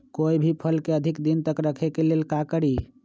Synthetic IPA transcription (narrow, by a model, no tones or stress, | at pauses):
koibʱipʰəlkeəd̪ʱikd̪int̪əkɾəkʰekelelkakəɽi